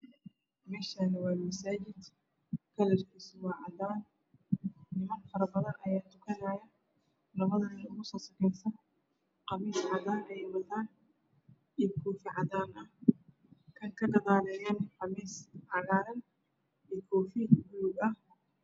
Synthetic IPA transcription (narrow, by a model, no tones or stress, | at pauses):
mɛːʃanɐwɑːmɐsaːt͡ʃɪd̪ | kʰɐlɛrkʰiːsʊwɑːʕɑd̪aːnː | ɪmɐnfɐɾɐbɐðɐnʔɐjaːt̪ʰʊ̥kʰɐnaːjɐ | lɐβɐðɐnɪʊɣʊsɔːsɐkʰɛjsɐn | qɑβiːsʕɑðaːnɐjɛjwɐðaːn | ijkʰɔːfɪʕɑðaːnɐh | kʰɐŋkʰɐɡɐɣaːlɛjaːnħɑmiːsʕɑlaːɾɐn | iːkʰɔːfɪbluɡɐh